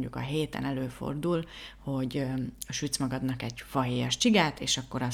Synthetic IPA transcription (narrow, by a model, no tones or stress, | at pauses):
ɲɟṵkɒ̰ɦeːt̪ɛ̰nɛløːfo̞̰rd̪ulho̞ɟɒʃyːt̪smɒɡɒd̪nɒkɛɟfɒɦeːjɒʃt͡ʃiɡaːt̪eːʃɒkːo̞ɾɒ